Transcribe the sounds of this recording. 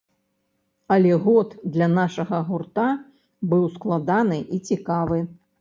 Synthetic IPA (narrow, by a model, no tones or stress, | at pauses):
ɐlʲɛɣɔt̪d̪lʲɐnaʂɐɣɐɣurt̪a | bɨwsklˠad̪anɨʔit͡sʲikavɨ